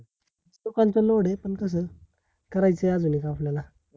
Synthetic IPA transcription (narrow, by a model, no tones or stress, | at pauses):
lokãnt͡sɔloɽepəɳkəs̬əː | kəɾajt͡sead͡zunikaflala